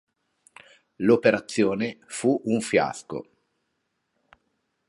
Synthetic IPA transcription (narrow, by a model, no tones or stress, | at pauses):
lopeɾat̪sːjoːnefuʔuɱfja̰sko̰